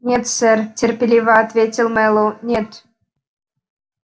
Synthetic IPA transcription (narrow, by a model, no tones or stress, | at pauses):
nʲet̪sɘrtʲerpʲelʲivaːt̪vʲetʲilˠmɛlˠonʲet̪